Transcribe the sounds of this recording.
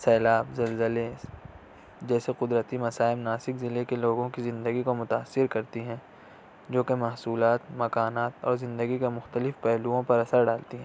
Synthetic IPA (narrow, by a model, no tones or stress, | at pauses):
sɛːlaːbzɐlzəle | d͡ʒɛːseqʊd̪ɾət̪imɐsaːɪmnaːsɪkzɪlekeloːɡõkizɪ̃nd̪əɡikomʊt̪aːsːɪɾkɐɾt̪iɦɛ̃ | d͡ʒoːkemɐɦsuːlaːt̪mɐkaːnaːt̪ɔ̰ːɾzɪ̃nd̪əɡikemʊxt̪əlɪfpɛɦluõpɐɾɐsəɾɖaːlt̪iɦɛ̃ː